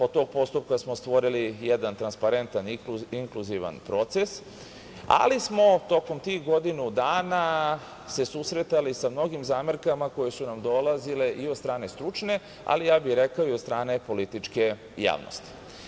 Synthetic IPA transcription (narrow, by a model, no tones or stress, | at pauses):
ot̪̚t̪ːo̞ːɡ̚po̞st̪up̚kasmost̪ʋo̞ɾilijɛd̪ant̪ɾanspaɾent̪anuiŋkluziʋa̰npɾo̞t̪se̞s | a̰lismo̞t̪o̞ko̞mt̪ixɡo̞d̪inud̪aːna | se̞susɾe̞t̪alisamno̞ɡimzaːmeɾkamako̞je̞sunamd̪o̞lazile̞ʔio̞d̪st̪ɾaːne̞st̪ɾut͡ʃne̞ | a̰lijaːbixɾekaoiod̪st̪ɾaːne̞po̞lit̪it͡ʂke̞ | ja̰ːʋno̰st̪i̥